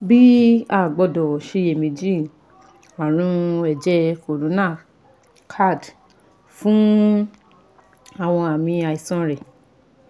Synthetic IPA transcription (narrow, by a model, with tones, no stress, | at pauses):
bi˦a˦˨ɡ͡bɔ˧dɔ˨ʃe˧je˨mĩ˧d͡ʒi˦ | wa˨ɾ̃ũ˧˦ɛ˨d͡ʒɛ˧ko˨ɾũ˨˦nãː˦˨ | kʰa˦˨d | fũ˦ | a˨w̃ɔ̃˧a˨mĩ˧a˨i˨sɔ̃˧˦ɾɛ˨